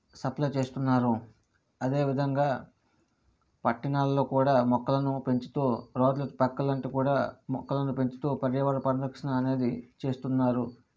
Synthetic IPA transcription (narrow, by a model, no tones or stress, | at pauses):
sɐplɐjt͡ʃe̞ːst̪unːaːɾu | ɐd̪e̞ːʋid̪ʱɐŋɡaː | pɐʈːinaːlɐlo̞ːkuːɽaːmɔkːɐlɐnupe̞ɲt͡ʃi̥t̪uːɾoːd̪lɐt̪upɐkːɐlɐɳʈekuːɽaːmɔkːɐlɐnupe̞ɲt͡ʃi̥t̪uːpɐɾjɐʋɐɾɐpɐnɐd̪ʱɐkʂɐnɐːne̞ːd̪it͡ʃe̞ːst̪unːaːɾu